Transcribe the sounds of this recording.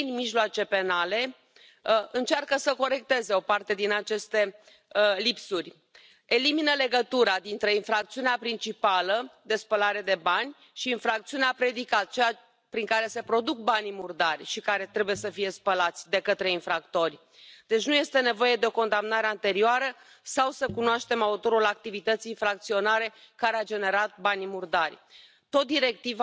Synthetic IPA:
inmiʒloat͡ʃe̞pe̞nale̞ | ɨnt͡ʃarkəsəko̞ɾe̞k̚t̪e̞ze̞o̞part̪e̞d̪inat͡ʃe̞st̪e̞ | lipsurʲ | e̞liminəle̞ɡət̪uɾad̪int̪ɾe̞infɾakt̪siuneapɾint͡ʃipaləd̪e̞spəlaɾe̞d̪e̞banʲ | ʃiːnfɾakt̪siuneapɾe̞d̪ikat̪̚t͡ʃeja | pɾiŋkaɾe̞se̞pɾo̞d̪uk̚banʲimurd̪arʲʃikaɾe̞t̪ɾe̞buje̞səfije̞spəlat̪sʲd̪e̞kət̪ɾe̞infɾakt̪o̞rʲ | d̪̥e̞t͡ʃnuje̞st̪e̞ne̞vo̞je̞d̪e̞o̞ko̞nd̪amnaɾe̞ant̪e̞ɾioaɾə | sawsəkunoaʃt̪e̞maut̪o̞ɾulak̚t̪ivit̪ət̪sijːnfɾak̚t̪sio̞naɾe̞ | kaɾead͡ʒe̞ne̞ɾat̪̚banʲmurd̪arʲ | t̪o̞t̪̚d̪iɾe̞k̚t̪iv

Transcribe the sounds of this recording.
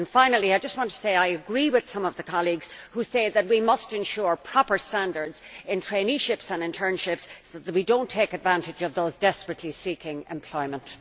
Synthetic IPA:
ə̃nfãɪ̃nəl̩ˠiaɪd͡ʒʌst̚wɑ̃ntʰə̥seɪaɪəɡɹiwɪð̥sʌ̃mʌvðəkʰɑlˠiɡz̥huseɪðət̚wimʌstɨ̃nʃʊɹpʰɹ̥ɔpə˞stãndə˞dz̥ɪ̃ntʰɹ̥ẽɪniʃɪpsə̃nɨ̃ntʰɜ̃˞nʃɪpsoððət̚widõʊ̃ntʰeɪkɨdvãntɪd͡ʒʌvðoʊzdɛspɹətʰˡlisikɪ̃ŋɛ̰̃mpʰl̥ɔɪmə̃nt

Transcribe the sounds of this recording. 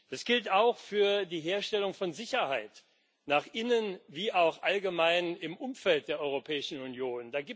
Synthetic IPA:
d̥asɡ̥ɪltaʊxfyːɐdiːɦeːɐʃtɛlʊŋfɔnzɪçɐhaɪt | naːχʔɪnənviːaʊxʔalɡəmaɪnɪmʔʊmfɛlt̚d̥eːɐʔɔʏʁopʰɛːɪʃn̩unjoːnd̥aːɡiː

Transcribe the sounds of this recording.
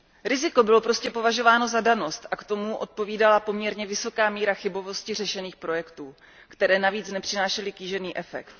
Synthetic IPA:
ɾɪzɪko̞bɪlo̞pɾo̞scɛpo̞vaʒo̞vaːno̞zadano̞st̪ʔakt̪o̞muʔo̞t̪̚po̞viːdalapo̞mɲɛɾɲɛvɪso̞kaːmiːɾaxɪbo̞vo̞scɪr̝ɛʃɛniːxpɾo̞jɛkt̪uː | kt̪ɛɾɛːnaviːt͡snɛpr̝̥ɪnaːʃɛlɪkiːʒɛniːʔɛfɛ̰kt̪

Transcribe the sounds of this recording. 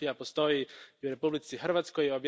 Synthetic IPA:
ijapost̪o̞jiuɾe̞publit̪sixr̩ʋat̪skojobj

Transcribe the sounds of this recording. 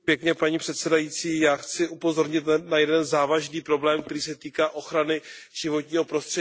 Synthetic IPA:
pjɛkɲɛpaɲiːpr̥ɛt̪sɛdajit͡siːjaːxt͡sɪʔupo̞zo̞ɾɲɪt̪najɛdɛnzaːvaʒniːpɾo̞blɛːmk̚t̪ɛɾiːsɛt̪iːkaːʔo̞xɾanɪʒ̥ɪvo̞t̪ɲiːɦo̞pɾo̞st̪r̥ɛi

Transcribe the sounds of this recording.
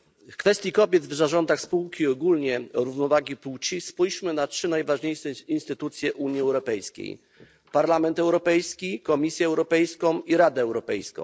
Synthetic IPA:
fkfɛst̪ʲjikɔbʲjɛd̪vzaʐɔnd̪axspuwkʲiɔɡulɲɛɾuvnɔvaɡʲipuwt͡ɕispujɕmɘnatʂɘnajvaʐɲejʂɛinst̪ɘt̪ut̪sʲjɛʔuɲiɛwɾɔpɛjskʲḛj | paɾlamɛnt̪ɛwɾɔpɛjskʲikɔmʲisʲjɛːwɾɔpɛjskɔ̃w̃iɾad̪ɛːwɾɔpɛjskɔ̰̃w̃

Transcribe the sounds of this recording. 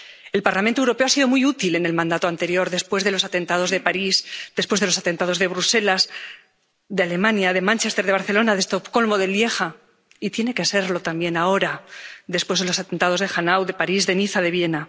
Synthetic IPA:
e̞lpaɾlamẽnt̪owɾo̞peoasiðo̞mujut̪ile̞ne̞lmãnd̪at̪oant̪e̞ɾjo̞ɾðe̞spwe̞zðe̞lo̞sat̪e̞nt̪að̞o̞zðe̞paɾisd̪e̞spwezðe̞lo̞sat̪e̞nt̪aðo̞zðe̞βɾuse̞laz | ðeale̞mãnjaðe̞mãnt͡ʃe̞st̪e̞ɾð̞eaɾθelo̞naðe̞st̪opko̞lmo̞ðe̞lje̞xa | it̪je̞ne̞kese̞ɾlo̞t̪ambje̞nao̞ɾaðespwe̞zðelo̞sat̪e̞nt̪að̞o̞zðe̞xanawðe̞paɾizðe̞niθaðe̞βje̞na

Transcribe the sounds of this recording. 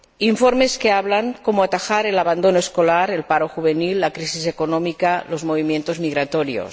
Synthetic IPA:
iɱfoɾmeskeaβlaŋkomoat̪axaɾelaβand̪onoeskolaɾelpaɾoxuβ̞enilːakɾisisekonomikalozmoβimjent̪ozmiɣɾat̪oɾjo̰s

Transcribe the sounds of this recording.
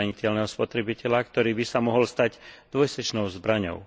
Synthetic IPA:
aɲicɛlnɛːɦɔspɔt̪ɾɛbicɛʎakt̪ɔɾiːbisamɔɦɔlst̪aɟd̪̥ʋɔjsɛt͡ʃnɔʊzbɾaɲɔ̰ʊ

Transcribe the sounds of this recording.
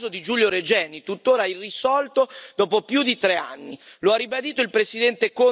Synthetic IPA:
zod̪id͡ʒuljoɾed͡ʒɛːnit̪ut̪ːoːɾairisɔlt̪od̪ɔːpopjud̪it̪ɾea̰nːiloarːibad̪iːt̪oilpɾesid̪ɛnt̪eko

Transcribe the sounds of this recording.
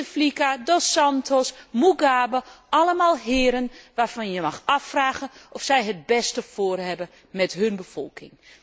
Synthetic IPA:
əflikadosantʰosmuɡaːbəʔaləmaːlˠɦɪːəɾənʋaːrfɔnjəmaxafraːɣənɔfsɛjɦət̚bɛstəfoːərhɛbə | mɛtɦønbəfɔ̰lˠkʰɪ̰ŋ

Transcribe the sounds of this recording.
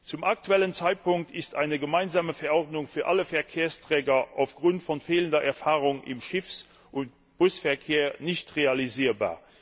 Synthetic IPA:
t͡sumak̚tuɛlənt͡saɪt̚pʰʊŋktʰɪsta̰ɪnəɡəmaɪnzaːməfɛɐɔʁdnʊŋfyːɐʔaləfɛɐkʰeːɐstʁ̥ɛːɡɐʔa̰ʊfɡ̥ʁʊntfɔnfeːləndɐʔɛɐfaːʁʊŋɪ̰mʃɪfs | ʔʊnt | b̥ʊsfɛɐkʰeːɐnɪɕtʁealiziːɐba̰ː

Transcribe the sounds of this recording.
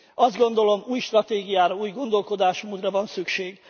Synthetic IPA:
ɒzd̪ɡo̞nd̪o̞lo̞muːjʃt̪rɒt̪eːɡijaːɾɒuːjɡo̞nd̪o̞lko̞d̪aːʃmuːd̪rɒvɒnsykʃeːɡ

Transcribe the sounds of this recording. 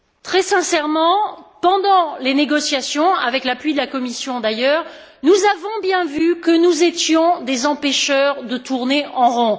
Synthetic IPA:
t̪χɛsɛ̃sɛʁmɑ̃pɑ̃d̪ɑ̃leneɡɔsjasjɔ̃a̰vɛklaplɥid̪əlakɔmisjɔ̃d̪ajœːʁ | nuzavɔ̃bjɛ̃vykənuzet̪jɔ̃d̪ezɑ̃pɛʃœʁd̪ət̪uʁneʔɑ̃ʁɔ̃

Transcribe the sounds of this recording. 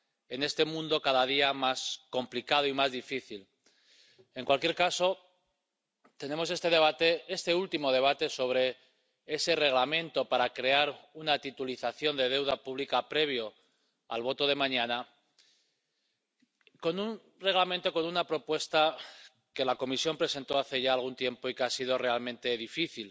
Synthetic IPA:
e̞ne̞st̪e̞mũnd̪o̞kaðað̞iamasko̞mplikað̞oimazðifiθil | e̞ŋkwalkje̞ɾkaso̞ | t̪e̞nẽ̞mose̞st̪eðeβat̪eest̪e̞ult̪imo̞ðe̞β̞at̪e̞so̞β̞ɾe̞ | ese̞re̞ɣlamẽ̞nt̪o̞paɾakɾe̞aɾunat̪it̪uliθaθjo̞nd̪e̞ð̞e̞wðapuβlikapɾe̞β̞jo̞ | a̰lβ̞o̞t̪o̞ðe̞mãɲana | ko̞nun | re̞ɣlamẽnt̪o̞ko̞nunapɾo̞pwe̞st̪a | ke̞lako̞misjo̞mpɾe̞se̞nt̪o̞aθe̞ʝaːlɣ̞unt̪je̞mpo̞ikeasið̞o̞re̞almẽnt̪e̞ðifiθil

